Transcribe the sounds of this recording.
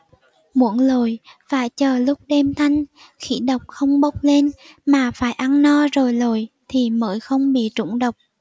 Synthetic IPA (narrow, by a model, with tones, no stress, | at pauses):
mṵ˧˦ənlo˨˩jfaː˧˩jt͡ɕəː˨˩lʊ˦˥k͡p̚ɗɛ˧mt̪ʰa˧jŋ̟ | xḭ˧˥ɗə˨˩wk͡p̚xə˧wŋ͡mɓə˦˥wk͡p̚le˧n | maː˨˩faː˧˩jʔa˧nnɔ˧zo˨˩jlo˨˩jt̪ʰi˨˩mə̰ː˧˦jxə˧wŋ͡mɓḭ˧˨t͡ɕʊ̰˧˥ŋ͡mɗə˨˩wk͡p̚